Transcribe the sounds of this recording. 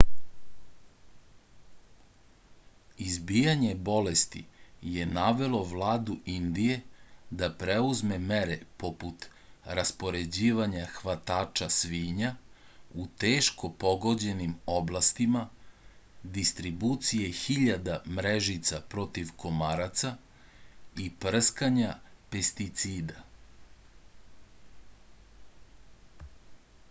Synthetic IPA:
izbijaɲe̞bo̞lest̪ḭje̞naʋe̞lo̞ʋlˠaːd̪uind̪ije̞d̪apɾeuzmemeɾepo̞put̪ | ɾaspo̞ɾe̞d͡ʑiːʋaɲaxʋat̪aːt͡ʃasʋiːɲaut̪eːʃko̞po̞ɡo̞d͡ʑe̞nimo̞blˠast̪ima | d̪ist̪ɾibut̪sije̞xiʎad̪amɾeʒit̪sapɾo̞t̪iʋkʰo̞maɾat̪sa | ipr̩skaɲape̞st̪it̪siːd̪a

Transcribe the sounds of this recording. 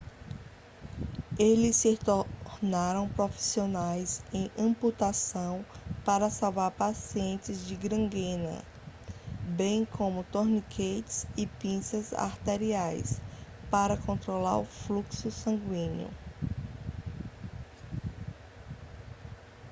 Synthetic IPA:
elɪsɪt̪onaɾɐ̃w̃pɾofi̥sionajzẽj̃ɐ̃put̪asɐ̃w̃paɾɐsawvaɾpasiẽnt͡ʃɪzd͡ʒɪɡɾɐ̃ɡẽnɐ̰ | bẽj̃kʰõmʊt̪oɾnikʰet͡ʃɪsɪpĩsɐza̰ɾt̪eɾiajs | paɾɐkõnt̪ɾolaɾʊfluksʊsɐ̃ŋɡwĩɲʊ̰

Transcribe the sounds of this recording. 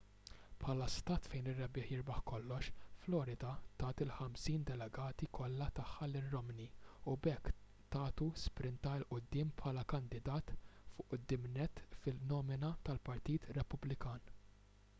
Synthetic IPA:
pħɐːlɐst̪ɐːt̪fɛjnɪrːɛbɪːħjɪɾbɐħkɔlːɔʃflɔːɾɪd̪ɐt̪ɐːt̪ɪlħɐmsiːnd̪ɛlɛɡɐːt̪ikɔlːɐt̪ɐħːɐlɪrːɔmniʊbɛkː | t̪ɐːt̪uspɾɪnt̪ɐɪlʔʊd̪ːɪːmpħɐːlɐkɐnd̪ɪd̪ɐːt̪fʊːʔʊd̪ːɪːmnɛt̪ːfɪlnɔːmɪnɐt̪ɐlpɐɾt̪iːt̪ɾɛpʊblɪkɐːn

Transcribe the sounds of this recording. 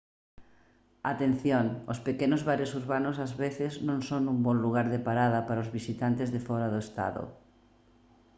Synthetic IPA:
at̪en̟θjoŋospekenozβaɾesuɾβanʊsazβeθɪznõŋsonumbɔnluɣ̞aɾðepaɾaðapaɾaozβisit̪ant̪ezðefɔɾaðoest̪a̰ðo̰

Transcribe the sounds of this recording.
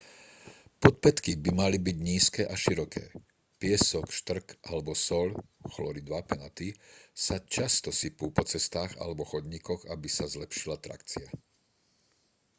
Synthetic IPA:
pɔt̪̚pɛt̪kibimalibiɟɲiːskɛːʔaʃiɾɔkʰɛ̰ː | pɪɛsɔkʃt̪r̩kʔalɛbɔsɔʎxlɔɾid̪ʋapɛnat̪isat͡ʃast̪ɔsipuːpɔt͡sɛst̪aːɣa̰lɛbɔxɔd̪ɲikɔɣabisazlɛpʃilat̪ɾa̰kt͡sia

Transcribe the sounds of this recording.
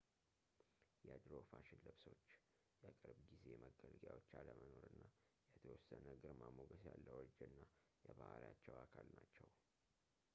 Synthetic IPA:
jɛd̪ɾofaʃɪnlɨβso̞t͡ʃː | jakʼɨɾbɡize̞məɡəlɡja̰wot͡ʃːaləməno̞ɾɨnːa | jɛt̪ʰəwɔsːənəɡɨɾmamoɡəsjalːəwɔd͡ʒːɛɨnːa | jɛbahljat͡ʃːɛwakʰalnat͡ʃːɛw

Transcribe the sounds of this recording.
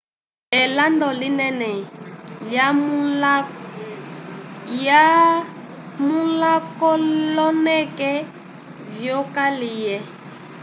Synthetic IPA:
ɛlandɔlinɛnɛla | ja | mulakɔlɔnɛkɛ | vjɔkalijɛ

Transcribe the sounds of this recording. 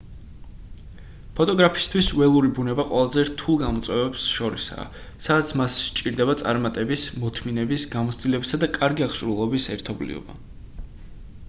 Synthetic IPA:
pʰɔt̪ʼɔɡɾapʰist̪ʰwiswɛlˠuɾibunɛbaqʼwɛlˠazɛɾt̪ʰulˠɡamɔt̪sʼwɛvɛbsʃɔɾisa̰ː | sadat̪sʰmasʃt͡ʃʼiɾd̪ɛbat̪sʼa̰ɾmat̪ʼɛbismɔt̪ʰminɛbisɡamɔt̪sʰd̪̥ilɛbisad̪akʼaɾɡiaχʃʼɾulˠɔbisɛɾt̪ʰɔblḭɔ̰ba̰

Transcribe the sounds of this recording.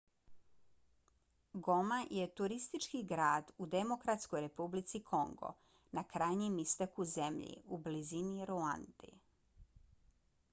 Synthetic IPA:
ɡo̞maje̞t̪uɾist̪it͡ʃkiɡɾaːd̪ud̪emokɾat̪sko̞jɾe̞publit̪sikʰo̞ŋɡo̰ | nakɾaːjɲimist̪akuze̞mʎḭubliziniɾua̰nd̪̥ḭ

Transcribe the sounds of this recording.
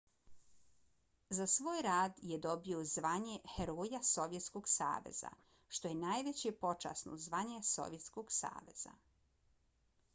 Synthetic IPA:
zasʋoːjɾaːd̪jed̪o̞biozʋaɲexeɾojaso̞ʋje̞t̪skoɡsa̰ːʋe̞̰z̥a̰ | ʃt̪o̞jenaːjʋe̞t͡ɕepo̞t͡ʃa̰ːsno̰zʋaɲeso̞̰ʋje̞t̪skoɡsa̰ːʋe̞̰z̥a̰

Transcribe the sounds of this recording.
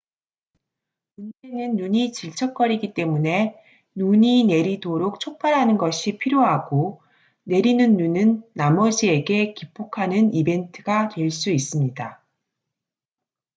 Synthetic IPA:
mund͡ʑe̞nɯnːuɲit͡ɕiɭt͡ɕʰʌk͈ʌɾiɡit͈e̞mune̞ | nuɲine̞ɾidoɾok̚t͡ɕʰok̚p͈aɾɦanɯnɡʌɕʰipʰiɾjoɦaɡ̥o | ne̞ɾinɯnːunɯnːamʌd͡ʑie̞ɡe̞kip͈ʰːokʰanɯnibe̞ntʰɯɡatwe̞ɭs͈uis͈ɯmɲida

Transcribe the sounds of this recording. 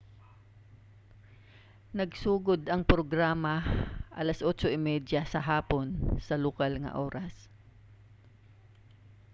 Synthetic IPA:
nɐɡsuːɡod̪ɐŋpɾoɡɾaːmɐʔɐ̰lɐsʔoːt͡ʃoʔɪmɛd̪jɐsɐɦaːponsɐlʊkalŋɐ̰ʔoːɾɐs

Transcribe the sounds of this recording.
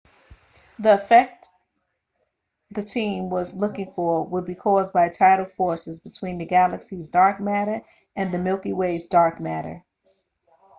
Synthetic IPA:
ðiəfɛk̚t | ðɨtʰĩmwʌzlʊkɪ̃ŋfə˞wəd̚bikʰɔzbaɪtʰaɪɾl̩ˠd̥fɔɹsɨzbɨtʰw̥ĩnðɨɡælˠɨksizdɑɹk̚mæɾə˞ | ɨ̃nðɨmɪlˠkiweɪzdɑɹk̚mæɾə̰˞

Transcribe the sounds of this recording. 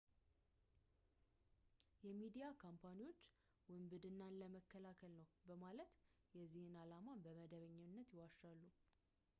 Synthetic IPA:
jɛmid̪ijakʰampʰaniwo̞t͡ʃː | wɨmbɨd̪ɨnːanləməkːəlakʰəlnəwbəmalət̪ | jɛzːihɨnalamabəməd̪əβəɲːɨnːət̪jɪwaʃːalːu

